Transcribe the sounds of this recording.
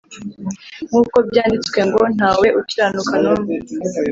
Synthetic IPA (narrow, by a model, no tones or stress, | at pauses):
ŋ̥uːko̞bjaːndit͡swe̞ŋɡo̞n̥haːwe̞ʔutiɾaːnukanomu